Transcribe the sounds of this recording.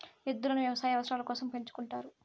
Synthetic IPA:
ed̪ːulɐnuʋjɐʋɐsaːjɐʋɐsɾaːlɐkɔːsɐmpe̞ɲt͡ʃu̥kuɳʈaːɾu

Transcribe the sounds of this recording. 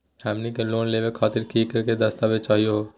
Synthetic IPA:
amnikeloːnleːʋekʰaːt̪iɾkikəɾked̪əst̪aːʋet͡ʃaːɦijo

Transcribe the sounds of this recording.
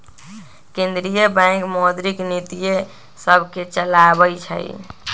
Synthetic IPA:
kẽnd̪ɾijəbãkmod̪ɾiknit̪ije | səbʱket͡ʃəlabəjt͡ʃʰə̰j̰

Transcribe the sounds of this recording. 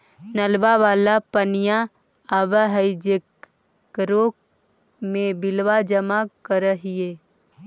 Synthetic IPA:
nəlbaʋaːlapənija | aʋəɦəid͡ʒek | ɾoːk̚ | mẽbɪlʋad͡ʒəmakəɾəɦieː

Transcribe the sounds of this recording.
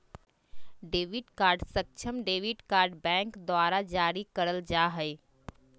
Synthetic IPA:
ɖeːʋiɖkaːɾɖsək̚t͡ʃʰəmɖeʋiɖkaːɾɖbɛ̃ŋkd̪waɾad͡ʒaːɾikəɾəld͡ʒaɦəɪ

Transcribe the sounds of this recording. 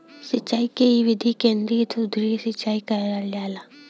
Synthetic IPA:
sɪt͡ʃːaːikeiʋɪd̪ʱikẽːnd̪ɾit̪ʰud̪ɾisɪt͡ʃːaːikaɦɾaːljaːla

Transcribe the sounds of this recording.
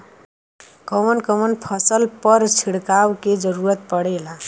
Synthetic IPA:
kʌmənkʌmənpʰʌsəlpʌɾt͡ʃʰiɽkawked͡ʒʌɾuɾət̪̚pəɽela

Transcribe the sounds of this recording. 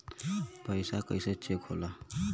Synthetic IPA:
pʌjsakʌjsʌt͡ʃekʰola

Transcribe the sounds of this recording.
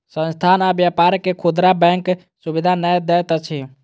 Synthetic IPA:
sə̃nst̪ʰanabjapaɾkekʰud̪ɾabɛŋk | subid̪ʱanɛd̪ɛt̪ət͡ʃʰi

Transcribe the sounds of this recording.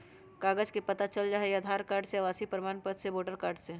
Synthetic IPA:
kaːɡəd͡ʒkepɐt̪at͡ʃəld͡ʒaːɦead̪ʱaːɾkaːɾɖseʋaːsipɾɪmaːnpət̪seboːʈəɾkaːɾɖse

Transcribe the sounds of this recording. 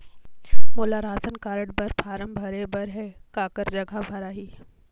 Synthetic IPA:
moːlaɾaːsənkaːɾəɽbɐɾpʰaːɾəmbʱɐɾebɐɾɦɛkaːkəɾd͡ʒɐɡʱabʱɐɾaːɦiː

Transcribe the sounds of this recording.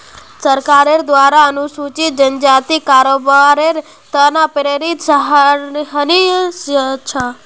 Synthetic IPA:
səɾkaɾeɾd̪ʋaːɾaənusut͡ʃid͡ʒənd͡ʒaːt̪ikaɾobaɾeɾ | t̪ənapɾeɾisɦɦənisət͡ʃʰa

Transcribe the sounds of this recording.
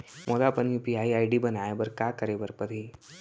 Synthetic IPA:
mʔoːd̪apɐnjupiaːiaːɪɖibɐnaːebɐɾkakəɾebəɾpəɾi

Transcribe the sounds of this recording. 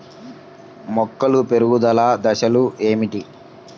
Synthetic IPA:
mɔkːɐlupe̞ɾuɡud̪ɐlaːd̪ɐʃɐlueːmiʈi

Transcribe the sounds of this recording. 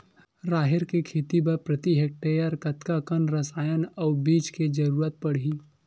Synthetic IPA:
ɾaːɦɪɾkekʰeːt̪ibəɾpɾɐt̪iɦek̚ʈejəɾkɐt̪kakənɾɐsaːjənaːbiːt͡ʃked͡ʒɐɾuːɾət̪̚pɐɽ̤iː

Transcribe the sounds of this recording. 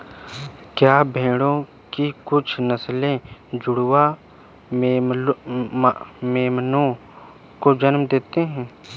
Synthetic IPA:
kjaːbʱẽːɽõ | kikʊt͡ʃʰnəslẽd͡ʒʊɽwa | meːmnõ | kod͡ʒənmd̪eːt̪eɦɛ̃ː

